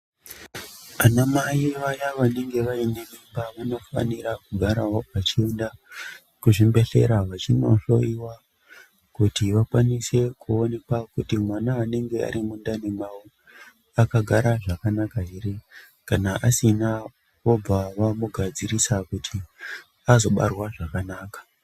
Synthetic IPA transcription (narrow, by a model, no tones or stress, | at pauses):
anamaiʋajaʋane̞ŋɡe̞ʋaineʋimbaʋano̞fa̰niɾakuɡʱaɾaoat͡ʃienda | kuʐimbe̞ɬe̞̰ɾaʋat͡ʃino̞̰ɬo̞iwa | kutiʋakwanise̞kʰuo̞ne̞kwakutimwanaːne̞ŋɡe̞a̰ɾimundanemau | akaɡʱaɾaʐakanakaɦiɾi | kanaʔasina | o̞b͡vaʋamuɡʱad͡ziɾisakutʰi | azo̞ɓa̰rwaʐakanaːkḁ